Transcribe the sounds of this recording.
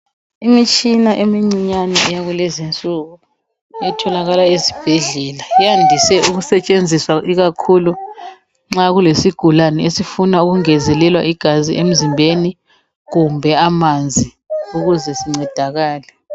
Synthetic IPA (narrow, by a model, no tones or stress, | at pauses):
imit͡ʃʼinaʔemiŋ͡ǀiɲanɛʔɛjaɣulɛzint͡sʼuɣu | ɛtʰɔlaɣalaezi̥b̥ʱeɮɛlaijandʱisɛuɣusɛt͡ʃʼend͡zʱiswaʔiɣakʰulu | ŋ͡ǁaɣulesiɡ̥ʱulanɛesifunauɣuŋɛzɛlɛlwaʔiɡ̥ʱazḭʔem̩zimbʱeni | ɣumbʱɛamand͡zʱi | uɣuzɛsiŋ͡ǀɛd̥ʱaɣaːlɛ